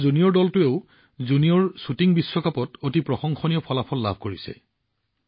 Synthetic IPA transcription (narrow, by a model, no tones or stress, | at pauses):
zunijɔɹdɔltʊeʊ | zunijɔɹsutiŋbisːɔkapɔtotipɹɔxɔŋxɔnijɔpʰɔlapʰɔlːa̰bʱkoɹisɛ̰